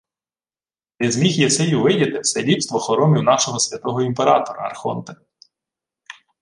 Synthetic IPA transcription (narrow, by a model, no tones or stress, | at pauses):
nɪzmʲixjɛsɛjuʋɪdʲɐt̪ɪwsɛlʲipst̪ʋɔxɔɾɔmʲiwnɑʃɔɦɔsʲʋʲɐt̪ɔɦɔimpeɾɑt̪ɔɾɐ̰ɐ̰rxɔ̰nt̪ɐ